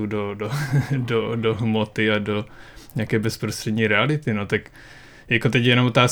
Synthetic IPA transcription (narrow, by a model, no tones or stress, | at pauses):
udodododoɦmot̪ɪadoɲakɛːbɛspɾost̪r̥ɛdɲiːɾɛalɪt̪ɪnot̪ak | jakot̪ɛcjɛnomot̪aːs